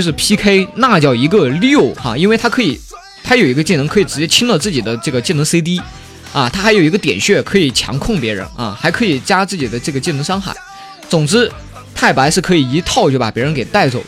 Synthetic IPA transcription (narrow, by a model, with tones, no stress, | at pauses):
ʂɻ̩˥˩pʰi˥kʰe˥ɪna˥˧t͡ɕjɑ˥˩ʊi˧˥ɡə˧ljo˥˩ʊa̰˧˩i˥nwɪt̪ʰa˥kʰɤ˧˥i˨˩˦ | t̪ʰa˥jo˨˩ʊi˧˥ɡə˧t͡ɕi˥˩n˧˥ŋkʰɤ˧˥i˨˩ʈ͡ʂɻ̩˧˥t͡ɕjɛ˥t͡ɕʰi˥ŋlə˧t͡sɹ̩˥˩t͡ɕi˨˩d̪ə˦ʈ͡ʂɤ˥˩ɡə˩t͡ɕi˥˩nɤ˧˥ŋse˥ɪt̪̬i˥ | a˥˧t̪ʰa˥xjo˨˩ʊi˧˥ɡə˧t̪jɛ˨˩nɕɥɛ˥˩kʰɤ˧˥i˨˩t͡ɕʰjɑ̰˧˥ŋkʰʊ˥˩ŋpjɛ˧˥ɻə̰˧˥na̰˥˧xa˧˥ɪkʰɤ˧˥i˨˩t͡ɕja˥t͡sɹ̩˥˩t͡ɕi˨˩d̪ə˦ʈ͡ʂɤ˥˩ɡə˩t͡ɕi˥˩nɤ˧˥ŋʂɑ˥ŋxa̰˥˩ɪ | t͡sʊ˨˩ŋʈ͡ʂɻ̩˥ | t̪ʰa˥˩ɪpa˧˥ɪʂɻ̩˥˩kʰɤ˧˥i˨˩i˧˥t̪ʰɑ˥˩ʊt͡ɕjo˥˩ʊpa˨˩pjɻə˧nŋke˨˩ɪt̪a˥˩ɪt͡so˨˩˦ʊ